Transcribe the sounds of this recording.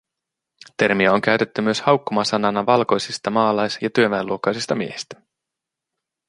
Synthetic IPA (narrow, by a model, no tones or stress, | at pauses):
t̪e̞rmiæo̞ŋk̟æɥt̪e̞t̪ːymyøshɑwkːomɑsɑnɑnɑʋɑlko̞jsist̪ɑmɑːlɑjsjɑt̪yøʋæeluokːˑɑjsist̪ɑmiehist̪æ̥